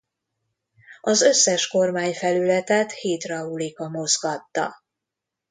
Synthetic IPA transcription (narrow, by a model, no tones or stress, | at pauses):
ɒzø̞sːɛʃko̞rmaːɲfɛlylɛt̪ɛt̪heːt̪rɒulikɒmo̞zɡɒt̪ːɒ̰